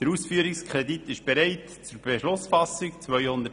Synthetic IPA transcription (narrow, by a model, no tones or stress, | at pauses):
d̥əɾusfyːəɾɪkskʰʁɛditɪʃb̥ɛɾɛɪt | t͡suɾbɛʃlʊsfɑsɪkt͡svœʏhʊnd̪ə